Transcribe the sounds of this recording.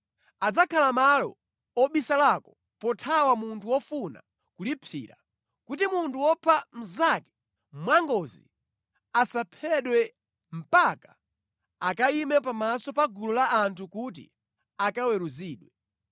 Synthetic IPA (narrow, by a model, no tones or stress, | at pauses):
ad͡zakʰalamalɔ̰ | ɔɓisalakɔ | pɔtʰawamuntʰuwɔfuna̰ | kulipʰḭːɾa̰ | kut̬imuntuwɔpʰam̩zakɛ̥ | mwaŋɡɔzḭ | asapʰɛɗwɛ | m̩pakḁ | akaimɛp̬amasɔpaɡulɔlaːntʰukut̬ḭ | akawɛɾuziːɗwɛ